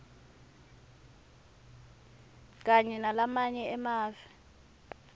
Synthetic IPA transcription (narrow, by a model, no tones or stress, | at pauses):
k̬ʼaɲɛnalamaɲɛɛmaːvɛ